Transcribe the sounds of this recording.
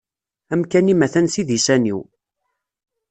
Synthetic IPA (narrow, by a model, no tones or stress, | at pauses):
æmkænimæθænsiðisænḭw